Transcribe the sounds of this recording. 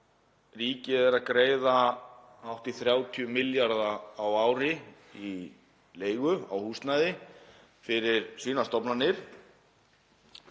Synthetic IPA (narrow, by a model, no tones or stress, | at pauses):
riːcɪɛɾaðkɾeːjða | awht̪iθɾjaːwt̪ʰiʏmɪljaɾðaːwaːwɾɪ | i | leːjɣʏa̰whuːst̪najðɪ | fɪɾɪɾsviːnast̪ɔpnanːɪɾ̥